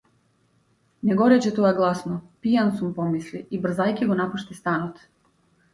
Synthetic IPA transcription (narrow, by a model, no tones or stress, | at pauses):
neɡoɾet͡ɕet̪ojeɡlˠasnopijansumpomisliibr̩zajkeɡonapuʃt̪est̪anot̪